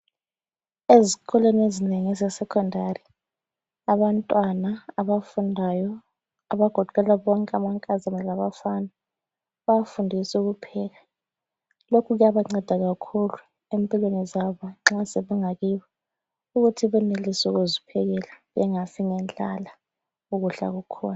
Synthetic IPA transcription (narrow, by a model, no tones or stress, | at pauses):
ezikʰɔlenezineŋɛzɛsɛkʰɔndʱari | aβantʼwanaaβafundʱajɔ | aβaɡ̥ʱɔǃʰʱʼɛlaβɔŋkʼamaŋkʼazanɛlaɓafanɛ | βafundʱisuk̬upʰɛk̬a | lokʰuɣujaβaŋ͡ǀɛd̥ʱaɣ̬akʰulu | empʼilwenizaβɔŋ͡ǁasɛβɛŋakiβɔ | uk̬ɣutʰiβɛnelisɔɣ̬uzipʰɛk̬ɛlaβɛŋasiŋɛnd͡ɮala | uɣuɬa̰ɣ̬ukʰɔ̰ːna